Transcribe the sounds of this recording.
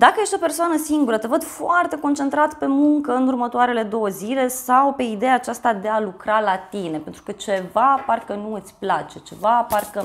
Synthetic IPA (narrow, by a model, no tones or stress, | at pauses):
d̪akəje̞ʃt̪ʲo̞pe̞rsoanəsiŋɡuɾət̪e̞vəd̪foart̪e̞kont͡ʃe̞nt̪ɾat̪pe̞muŋkəɨnurmət̪oaɾe̞le̞d̪o̞wəzile̞sawpe̞id̪e̞jaːt͡ʃast̪ad̪e̞alukɾalat̪ine̞pe̞nt̪ɾukət͡ʃe̞vaparkənuɨt̪sʲplat͡ʃe̞t͡ʃe̞vaparkə